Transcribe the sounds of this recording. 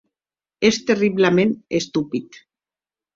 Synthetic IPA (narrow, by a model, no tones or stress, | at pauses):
est̪eriβlemẽnest̪upit̪